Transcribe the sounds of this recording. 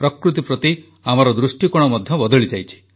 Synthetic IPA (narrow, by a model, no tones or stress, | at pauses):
pɾɔkɾut̪ipɾɔt̪i | amɔɾɔd̪ɾusʈikɔɽ̃ɔmɔd̪ʱjɔbɔd̪ɔɭid͡ʒajt͡ʃʰi̥